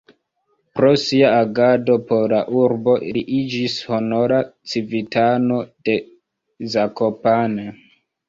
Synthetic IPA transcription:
pɾo̞siaaɡado̞polaʔuɾbo̞ʔliʔid͡ʒisho̞no̞ɾat͡sivitano̞d̥e̞ | zako̞pane

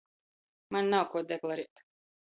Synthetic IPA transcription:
mannawkuɔd̪ɛklˠaɾiɛt̪

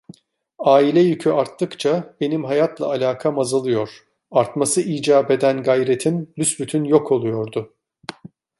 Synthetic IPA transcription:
aːilʲɛjycʰyaɾt̪ːɯkt͡ʃʰabe̞nimɦajat̪ʰlˠa̰ːlʲaːkʰamazɯlˠɯjo̞ɾ̥ | aɾt̪masɯʔiːd͡ʒaːbe̞d̪ænɡajɾet̪ʰimlʲysbyt̪ʰynjo̞kʰo̞lˠujo̞ɾd̪ʊ

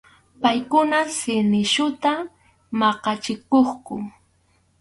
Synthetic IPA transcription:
pajkʊnasɪnɪʃʊt̪a | mɑqɑt͡ʃɪkoχkʊ

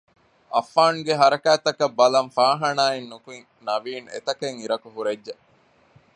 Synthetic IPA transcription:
ʔɐfːaːnuɡeɦɐɾɐkæːt̪ɐkɐbːɐlɐmfaːɦɐnaːenːukuiŋ | nɐʋiːnḛt̪ɐkeŋiɾɐkuɦuɾedːe

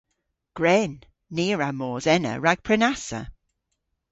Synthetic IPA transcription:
ɡ̥ɹɛnː | iːɹamɔːzɛnə̰ɹaɡ̥̚pʰɹɛnasə̰

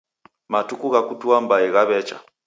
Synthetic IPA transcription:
matukuɣakutuambaiɣaβɛt͡ʃa̰

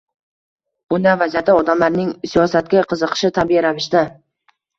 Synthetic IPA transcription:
bʊnd̪anvazijat̪ɪɒd̪amlaɾnɪŋsijɒsat̪̚kʲaqʰɨzɨqʰɨ̥ʃɪt̪ʰabiɪɾavɪʃt̪ɪ

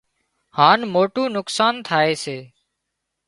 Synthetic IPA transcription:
haːnmoːʈũːnʊksaːnt̪ʰaːeːseː

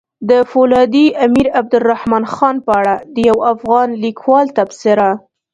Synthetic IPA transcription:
d̪əfolɑd̪iʔamiɾab̚d̪ʊlːahmɑnxɑnpəaɽad̪əjawafɣɑnlikʰwɑlt̪absɪɾa

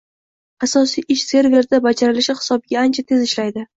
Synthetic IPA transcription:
asɒsijʔɪʃse̞ɾveɾd̪abad͡ʒaɾɪlɪʃɪhɪ̥sɒbɪɡʲaant͡ʃʰat̪ʰe̞zɪʃlajd̪ɪ

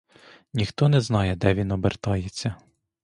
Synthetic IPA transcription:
nʲixt̪ɔnɛznɑjɛd̪ɛʋʲinɔbert̪ɑjet͡sʲːɐ

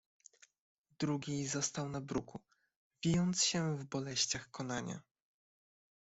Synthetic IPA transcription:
d̪ɾuɡʲizɔst̪awnabɾuku | vʲijɔnt̪sɕɛvbɔlɛɕt͡ɕaxkɔnaɲa̰

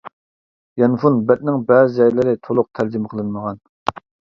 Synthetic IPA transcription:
jɛnfunbɛt̪̚nɪŋbɛzɪd͡ʒɛjlɪɾɪt̪ʰolˠʊq̚t̪ʰæɾd͡ʒimqʰəlˠɨnməʁɑn

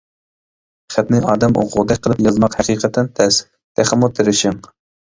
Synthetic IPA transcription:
χæt̪nɪʔɑːd̪ɛmʔo̰qʰʊlˠd̪ɛk̚ʲqʰəlˠɨpjɑzmɑqhæqiːqʰət̪ʰɛnt̪ʰɛs | t̪ʰɛχæmut̪ʰeɾɪʃɪŋ

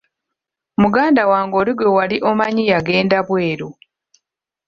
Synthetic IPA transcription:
muɡaːndawaːŋɡo̞ːliɡwewaliʔomaɲijaɡe̞ːndaβwe̞ːɾo

